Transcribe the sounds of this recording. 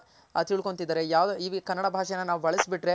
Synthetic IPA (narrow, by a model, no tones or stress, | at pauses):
ɐ̰t̪iɭkont̪id̪aːɾejaːʋd̪iʋikɐnːɐɽɐbʱaːʂɛjɐnːɐnaːʋuʋɐɭɐsbiʈɾe̞